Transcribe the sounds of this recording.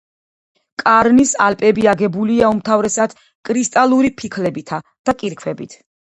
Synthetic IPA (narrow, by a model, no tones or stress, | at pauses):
kʼaɾnisalpʼɛbiaɡɛbuliaumt̪ʰavɾɛsad̪̥ | kʼɾist̪ʼalˠuɾipʰikʰlɛbit̪ʰad̪̥akʼiɾkʰwɛbit̪ʰ